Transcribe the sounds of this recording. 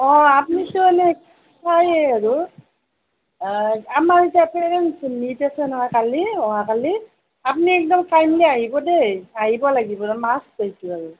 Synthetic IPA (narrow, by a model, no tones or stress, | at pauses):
ɔapnitʊanɛ | sajɛaɹu | amaɹtɛpɛɹɛnsnitasɛnɔɦakaliɔɦakali | ap̬niɛk̚dɔmtajmliaɦibɔdeaɦibɔlaɡibɔdɛmaszajsʊaɹu